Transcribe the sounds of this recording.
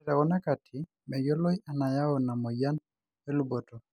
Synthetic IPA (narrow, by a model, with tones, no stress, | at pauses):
ɾa˨wɔ˦na˦ka˨tʰɪ˨ | mɛ˨jɔ˦lɔ˦ja˨na˨ja˦ɔ˨na˨mɔ˨ja˦n | ɛ˦lu˦bɔ˨tɔ˨